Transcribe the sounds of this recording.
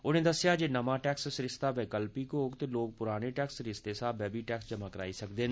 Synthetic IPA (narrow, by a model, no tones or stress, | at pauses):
ʊneːd̪əsɪjaːd͡ʒeːnəmãːʈɛːkssɾɪst̪aːʋɛːkəlpiːkoːɡt̪eloːɡ̚pʊɾaːneːʈɛːksɾɪst̪eːsaːbɛːbiːʈɛːksd͡ʒəmãːkəɾaːisəkd̪eːn